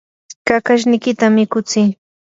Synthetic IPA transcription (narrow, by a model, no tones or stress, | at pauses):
kakaʃ̬nɪjkɪt̪amɪkʊt͡sɪː